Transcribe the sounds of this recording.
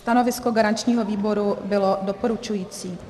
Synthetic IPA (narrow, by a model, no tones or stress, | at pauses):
st̪ano̞vɪskoɡaɾant͡ʃɲiːɦoviːbo̞ɾubɪlo̞dopoɾut͡ʃujiːt͡siː